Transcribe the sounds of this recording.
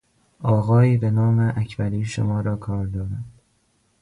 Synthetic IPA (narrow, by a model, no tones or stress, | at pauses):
ɒːɣɒːiːbe̞nɒːmeʔæcʰbæɾiːʃomɒːɾɒːkʰɒːɾd̪ɒːɾænd̪̥